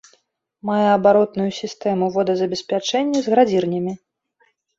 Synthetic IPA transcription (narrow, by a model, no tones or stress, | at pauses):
majɛɐbaɾɔt̪nujusʲist̪ɛmuvɔd̪ɐzɐbʲɛsʲpʲat͡ʂɛnʲːɐzɣɾad͡zʲirnʲɐmʲi